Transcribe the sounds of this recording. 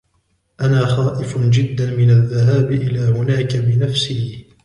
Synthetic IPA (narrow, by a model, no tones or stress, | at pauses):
ʔanaːxaːʔɪfd͡ʒɪd̪ːanmɪnaðːaɦaːbɪʔɪlaːhʊnaːkabɪnafsɪh